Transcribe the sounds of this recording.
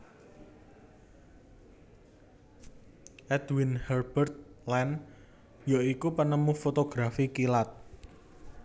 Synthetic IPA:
ʔɛd̪winhɛrb̥ərt̪̚lɛn | jaikupənəmufot̪oɡ̥ɾafikilat̪̚

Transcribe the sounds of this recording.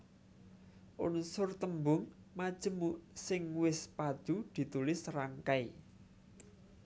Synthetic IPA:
ʔʊnsʊrt̪əmbʊŋmad̥ʒ̥ə̤muʔsɪŋwɪspad̪̥ud̪̥i̤t̪ulɪsraŋkai

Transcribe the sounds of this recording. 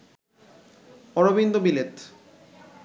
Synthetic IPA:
ɔɾobind̪obilet̪

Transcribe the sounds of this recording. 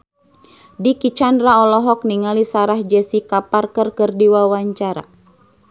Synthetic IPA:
dikit͡ʃanraɔlɔɦɔk̚niŋalisaɾahd͡ʒɛsikaparkərkərdiwawaɲt͡ʃaɾa̰

